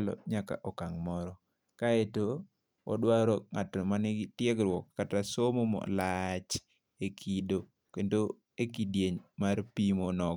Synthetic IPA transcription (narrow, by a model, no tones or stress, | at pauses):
lɔ̰ɲaka̰ʔɔkaŋmɔɾɔ | kaeto | ɔ̰dwaɾɔŋatmanɪtjɛɡɾwɔkːatasomomɔ̰lat͡ʃ | ekʰido | kendo | ekidjeɲmaɾpimonɔɡ